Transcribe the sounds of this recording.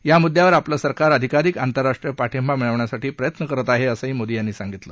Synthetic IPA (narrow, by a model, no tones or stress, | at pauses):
jamud̪ʱːjaʋəɾapləsəɾkaɾəd̪ʱikaɾikant̪əɾːaʂʈɾijəpaʈʰembamiɭəʋɳjasaʈiːpɾəjət̪nəkəɾət̪aɦeəsəɦiːmod̪ijanːiːsaŋɡit̪lə